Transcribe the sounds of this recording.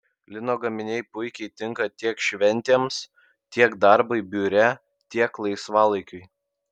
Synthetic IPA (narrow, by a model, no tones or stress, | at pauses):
lʲɪnoːɡɐmʲɪnʲɛɪpʊɪkʲɛɪt̪ʲɪŋkɐt̪ʲiɛkʃʲʋʲɛnʲt̪ʲeːms | t̪ʲiɛkd̪ɐɾbɐɪbʲuːɾʲɛ | t̪ʲiɛklˠɐɪsʋɑːlˠɐɪkʲʊɪ